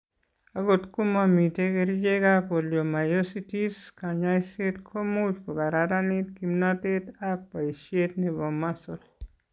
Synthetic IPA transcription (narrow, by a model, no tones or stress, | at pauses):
aɡotkumamitekeɾid͡ʒeɡakoljomajositiskaɲasetkʰomut͡ʃkoɡaɾaɾanitkimnatetak̚paisjetnibɔmːasol